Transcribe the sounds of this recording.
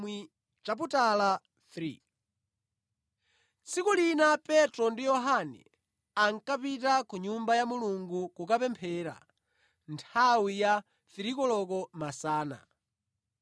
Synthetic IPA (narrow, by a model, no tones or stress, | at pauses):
i | t͡ʃap̬utala | θɾi | t͡sikulinapɛtɾɔndijɔɦanɛ̰ | aŋkapitakuɲumbajamuluŋɡukukapɛmpʰɛɾa̰ | ntʰawija | θiɾikɔlɔk̬ɔmasaːna̰